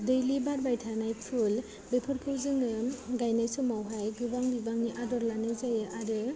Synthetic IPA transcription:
dɯjlibaɾbajtʰanajpʰul | bepʰɯɾkʰɯwzɯŋɯɡajnajsɯmawɦajɡɯbaŋbibaŋniʔadɔɾlanɯzajɯʔaɾɯ

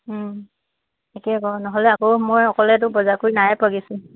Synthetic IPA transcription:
ekɛkɔnɔɦɔlɛakowmojɔkɔlɛt̬ʊbɔzakoɹinajpaɡisʊ̃

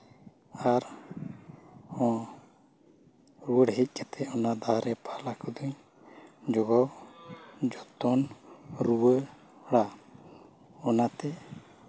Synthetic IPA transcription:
aɾ | ɔ̃ | ɾuəɽɦic̚ˀkat̪ʰɛɔnad̪ʱaɾɛpʰalakud̪uɲ | d͡ʒɔɡɔw | d͡ʒɔt̪ɔnɾuwə | ɽa | ɔnat̪ɛ

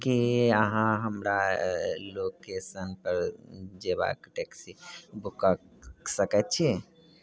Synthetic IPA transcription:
kiəɦãɦəmɾa | lokesənpəɾd͡ʒeβa̰kʈeksibukəksəkɛt̪t͡ʃʰi

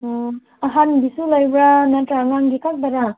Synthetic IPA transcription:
aɦanbisulajbɾanatɾaŋaŋɡikak̚daɾa

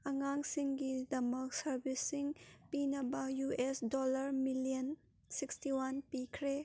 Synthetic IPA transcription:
ɐŋaŋsiŋɡidɐmɐk̚sɐɾbisːiŋpinɐbɐjuesdɔlɐɾmilijɐn | sikstiwanpikʰɾe

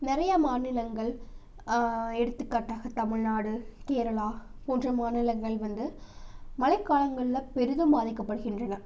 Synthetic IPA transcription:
nɪɾɐjɐmaːnɪlɐŋɡɐɭ | ɛɽɯt̪ːɯkːaːʈːaːɣɐt̪ɐmɪɭnaːɽɯkeːɾɐɭaːpoːndrɐmaːnɪlɐŋɡɐɭʋɐnd̪ɯmɐlɐɪkːaːlɐŋɡɐɭɪlɐpɛɾɯðɯmbaːðɪkːɐpːɐɽɯɣɪndrɐnɐ

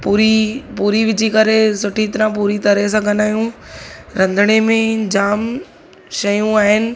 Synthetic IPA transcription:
puːɾipuːɾiʋɪd͡ʑʱikɐɾesʊʈʰit̪ɪɾãpuːɾit̪ɐɾes̬ãːɡɐnaːjũɾɐ̃nd̪ʱəɽ̃emẽd͡ʑaːm | ʃɐjũaːɦɪnɪ̆

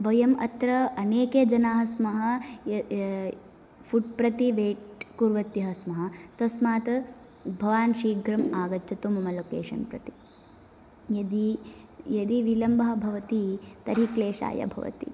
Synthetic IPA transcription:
ʋɐjɐmɐt̪ɾɐɐneːked͡ʒɐnaːɦɐsmɐɦɐ̆ | fʰuʈ̚pɾɐt̪iʋeːʈkuːɾʋɐt̪jɐɦɐsmɐɦɐt̪ɐsmaːt̪ɐ | bʱɐʋaːnʃiːɡɾɐmaːɡɐt͡ʃt͡ʃɐt̪umɐmɐlokḛːʃɐ̰npɾɐ̰t̪i̥ | jɐd̪i | jɐd̪iʋilɐmbɐɦɐbʱɐʋɐt̪it̪ɐɾikleːʃa̰ːjɐ̰bʱɐ̰ʋɐ̰t̪ḭ

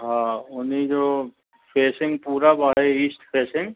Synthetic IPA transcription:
ɦãːʊnid͡ʒoː | pʰeːsɪ̃ŋɡpuːɾabaːɦeiːsʈpʰeːsɪ̃ŋɡ

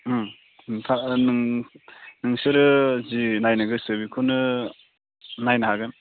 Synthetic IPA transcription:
tʰanɯŋ | nɯŋsɯɾɯzinajnɯɡɯsɯbikʰɯnɯ | najnɐɦaɡɯn

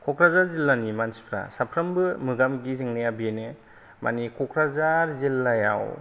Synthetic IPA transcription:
kʰɔkʰɾazaɾzilːanimansi̥pʰɾa̰sapʰɾambɯmɯɡamɡizɯŋnajabenɯ | ma̰nikʰɔkʰɾazaɾzilːaja̰w

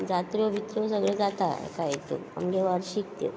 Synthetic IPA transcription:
d͡zat̪ɾoʋʱit̪ɾosəɡɭed͡zat̪a̰kajet̪ṵa̰mɡeʋaɾɕikt̪ḛ

